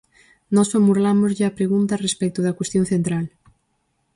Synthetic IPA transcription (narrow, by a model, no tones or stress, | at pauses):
nɔsomuɾlamʊzʎɪapɾeɣunt̪ɐrespɛk̚t̪ʊðɐkwest̪jõŋ̟θent̪ɾal